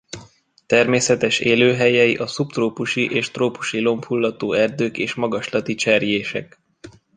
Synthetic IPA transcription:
t̪ɛrmeːsɛt̪ɛʃeːløːɦɛjɛiʔɒsupt̪roːpuʃiʔeːʃt̪roːpu̥ʃilo̞mfulːɒt̪oːɛrd̪øːkeːʃmɒɡɒʃlɒt̪it͡ʃɛrjeːʃɛ̰k

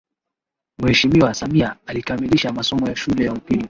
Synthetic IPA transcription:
muhɛʃimiwasamiaalikamiliʃamasɔmɔjaʃulɛjaupili

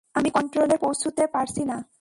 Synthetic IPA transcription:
amikɔɳʈɾolepowsʰut̪epaɾt͡ɕʰina

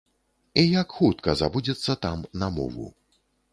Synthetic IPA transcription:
ijakxut̪kɐzabud͡zʲɛt̪sːɐt̪amnɐmɔ̰vṵ

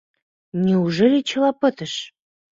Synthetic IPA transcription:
nʲeuʒelʲet͡ɕʰɤ̆lɑpɤ̆t̪ə̆ʃ

